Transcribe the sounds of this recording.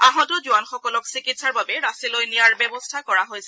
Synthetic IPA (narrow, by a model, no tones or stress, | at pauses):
aɦɔ̃tʊd͡ʒʊanxɔkɔlɔksikitsaɹbabɛɹasilojnijaɹbɛbɔstʰakɔɹaɦojsɛ